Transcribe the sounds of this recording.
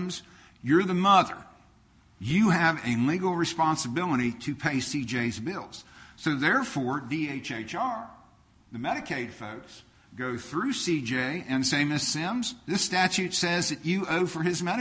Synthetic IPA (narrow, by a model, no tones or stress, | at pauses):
mz̥ | jə˞ðɨmʌðə̰˞ | jɨɨvɨliɡl̩ˠɹɨspɑ̃nsɨbɪlˠəɾiɾɨpʰeɪsid͡ʒeɪzbɪlˠz̥soʊðɛɹfɔɹdieɪt͡ʃeɪt͡ʃɑɹ | ðɨmɛɾɨkʰeɪd̥foʊks | ɡ̥oʊθɹʉsid͡ʒeɪɨ̃nseɪmɪsɪ̃mzðɪstæt͡ʃʉtsɛzðɨt͡ʃɨoʊfə˞ɨzmɛɾɨ